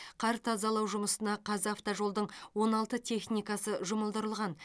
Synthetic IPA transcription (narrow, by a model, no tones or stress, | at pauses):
qʰɑɾt̪ʰɑzɑlˠɑwʒʊməsənɑqʰɑzaft̪oʒo̞lˠd̪əɴwo̞nɑlˠt̪ət̪ʰe̞χnijkɑsəʒʊməlˠd̪əɾəlˠʁɑn